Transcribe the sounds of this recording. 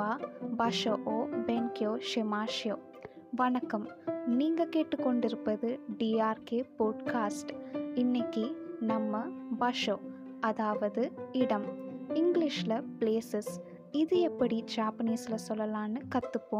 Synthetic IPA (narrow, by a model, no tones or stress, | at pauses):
aːʋɐʂoːʔoːbɛŋkɪjoːʂɛmaːʂjoː | ʋɐɳɐkːɐmniːŋɡɐkeːʈːɯkːɔɳɖɪɾɯpːɐðɯɖiːaːɾkeːpoːɖkaːsʈɪnːɐkːinɐmːɐbɐʂoː | ɐðaːʋɐðɯɪɽɐmɪŋɡlɪʂlɐpleːsɐs | ɪðɯɛpːɐɽid͡ʒaːpɐniːsɪlɐsɔlːɐlaːnɯkɐt̪ːɯpːõː